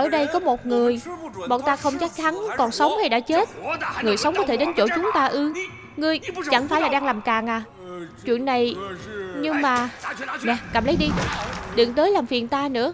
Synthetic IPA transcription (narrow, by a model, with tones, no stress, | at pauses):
ʔəː˧˩ɗə˧jkɔ˨˦mo˨˩t̚ŋɨ˨˩əjɓɔ̰ː˧˨nt̪aː˧xə˧wŋ͡mt͡ɕa˦˥k̚t͡ɕʰa˨˦nkɔ˨˩nsə˨˦wŋ͡mha˧jɗa̰ː˧˥t͡ɕe˦˥t̚ŋɨ˨˩əjsə˨˦wŋ͡mkɔ˨˦t̪ʰe˧˩ɗe˨˦nt͡ɕo̰˧˩t͡ɕʊ˨˦ŋ͡mt̪aː˧ʔɨ˧ | ŋɨ˧əjt͡ɕa˧˩ŋfaː˧˩jlaː˨˩ɗaː˧ŋlaː˨˩mkaː˨˩ŋʔaː˨˩ | t͡ɕwḭ˧˨ənːa˨˩j | ɲɨ˧ŋmaː˨˩nɛ˨˩kaː˨˩mlə˨˦jɗi˧ɗɨ˨˩ŋt̪əː˨˦jlaː˨˩mfi˨˩ənt̪aː˧nɨ̰˧˥ə